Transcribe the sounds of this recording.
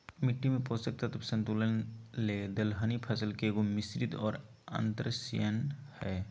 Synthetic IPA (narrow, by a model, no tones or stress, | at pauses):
mɪʈːimẽpoːsək̚t̪at̪ɐbsə̃nt̪uːlənleːd̪əlɦanipʰɐsəlkeɡomɪsɾɪd̪ɔːɾ | ə̰̃nt̪ɾəsḭjənhɛː